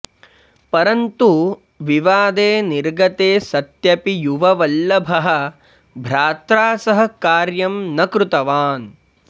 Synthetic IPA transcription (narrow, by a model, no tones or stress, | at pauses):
pɐɾɐnt̪u | ʋiʋaːd̪eːniɾɡɐt̪eːsɐt̪jɐpijuʋɐʋɐlːɐbʱɐɦɐ̆ | bʱɾaːt̪ɾaːsɐɦɐ̆kaːɾjɐmnɐkɾut̪ɐʋaːn